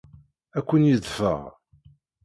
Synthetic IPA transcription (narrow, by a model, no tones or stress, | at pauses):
ækʷːənjiðfə̰ʁ